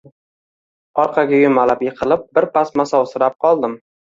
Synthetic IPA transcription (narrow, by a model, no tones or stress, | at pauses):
ɒɾqʰɑɡʲajʊmalapjeqʰɨlˠɪp̚bɪɾpasmasɒwsɪɾap̚qʰɒlˠd̪ɪm